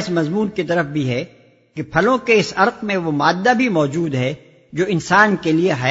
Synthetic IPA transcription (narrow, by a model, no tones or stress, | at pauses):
ɪsmɐzmuːnkit̪ɐɾəfbʱiɦɛ | kepʰɐlõkeɪsɐɾqmẽʋomaːd̪ːabʱimɔːd͡ʒuːd̪ɦɛ | d͡ʒoːɪnsaːnkelieɦɐ